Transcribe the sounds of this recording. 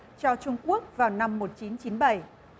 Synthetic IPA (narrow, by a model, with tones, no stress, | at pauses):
t͡ɕɔ˧t͡ɕʊ˧ŋ͡mku˦˥ək̚vaː˨˩wna˧mːo˨˩t̚t͡ɕi˨˦nt͡ɕi˨˦nɓa˧˩j